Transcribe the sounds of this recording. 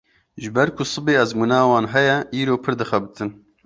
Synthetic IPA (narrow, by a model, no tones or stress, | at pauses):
ʒɨbɛɾkʰʊsɨbeːɛzmuːnɑːwɑːnɦɛjɛʔiːɾoːpʰɨɾd̪ɨxɛbɨt̪ʰɨn